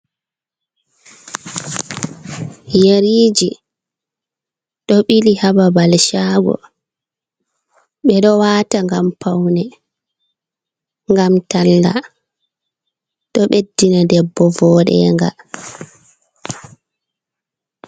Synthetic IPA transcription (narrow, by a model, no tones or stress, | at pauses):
jeɾiːd͡ʒi | ɗɔɓilihababalʃaɡɔ̰ | ɓɛɗɔwaːtaŋɡampʰawnɛ | ŋɡamtalːa̰ | ɗɔɓedːinadɛbːɔvɔɗɛ̰ːŋɡa̰